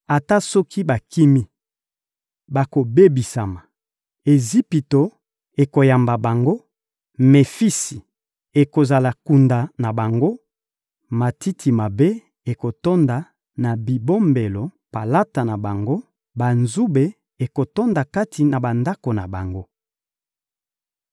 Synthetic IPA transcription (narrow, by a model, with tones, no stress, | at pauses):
a˨ta˦sɔ˦kʰi˦ba˨kʰi˦mi˦ | ba˨ko˨be˦bi˨sa˨ma˨ | e˨zi˦pi˨to˨ | e˨ko˨ja˨mba˨ba˨ŋɡo˦ | me˨fi˦si̥˨ | e˨ko˨za˨la˨ku˨nda˨na˨ba˨ŋɡo˦ | ma˨ti˦tʰi˨ma˨be˦ | e˨ko˨to˦nda˨ | na˨bi˨bo˦mbe˨lo˨pa˨la˦ta˨na˨ba˨ŋɡo˦ | ba˨nzu˦be˨ | e˨ko˨to˦nda˨ka˦tʰi˨na˨ba˨nda˦ko˨na˨ba˨ŋɡo˦